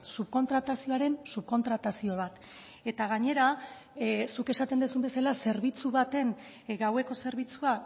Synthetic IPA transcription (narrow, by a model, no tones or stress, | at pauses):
supko̞nt̪ɾat̪asio̞aɾe̞nsup̚ko̞nt̪ɾat̪asio̞β̞at̪ | e̞t̪aɣ̞aɲe̞ɾa | suke̞sat̪e̞nd̪esumbe̞salase̞ɾβit͡suβat̪e̞ŋ | ɡawe̞ko̞se̞ɾβ̞it͡sua